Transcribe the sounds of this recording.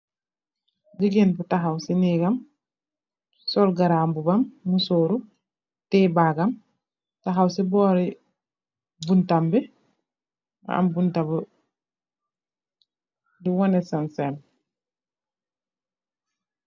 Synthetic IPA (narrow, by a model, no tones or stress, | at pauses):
d͡ʒiɡenputaɦawsiniɡam | sɔlɡaɾambubamːusoːɾu | tɛbaɡam | taɦawsibɔːɾi | buntambɛ | a̰mbuntabə | diwɔnɛsansem